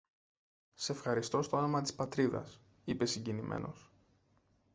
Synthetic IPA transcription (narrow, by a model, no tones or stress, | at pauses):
sefxɐɾist̪o̞st̪o̞anomɐt̪i̥spɐt̪ɾiðɐ̰s | ipe̞siɲɟinimʔe̞̰no̞s